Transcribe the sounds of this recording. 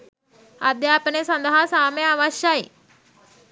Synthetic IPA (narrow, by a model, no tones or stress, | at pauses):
ad̪japnesə̃nd̪əɦasameaʋaɕjai